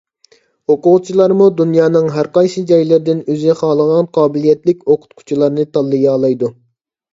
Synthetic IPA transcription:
hoqʊʁt͡ʃʰilˠɑɾmud̪unjɑːnɨŋɦæɾqɑjsɨd͡ʒɑjlɪɾd̪ɪnøzɪχɑːlˠəʁɑnqʰɑːbɪlijɛt̪lɪkʲoqʰʊ̥t̪̚kʰʊ̥t͡ʃʰilˠɑɾnɨt̪ʰɑlˠːɨjɑːlˠɑjd̪u

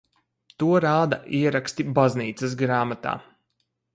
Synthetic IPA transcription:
t̪uɔɾaːd̪a̰ʔiɛɾakst̪ibazniːt̪sɨs̬ɡɾaːmat̪a̰ː

